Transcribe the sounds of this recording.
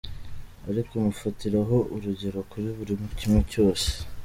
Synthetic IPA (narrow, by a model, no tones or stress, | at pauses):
aɾikomufatiɾaɦo̞ʔuɾuɟe̞ɾo̞kuɾiβuɾimucimeco̞ːse̥